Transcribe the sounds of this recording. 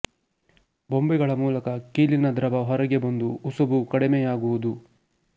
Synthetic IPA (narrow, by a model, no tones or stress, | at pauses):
bombɛɡɐɭɐmuːlɐkɐkiːlinɐd̪ɾɐbɐɦɔɾɐɡebɐnd̪uːsɐbukɐɽimejaːɡuʋud̪u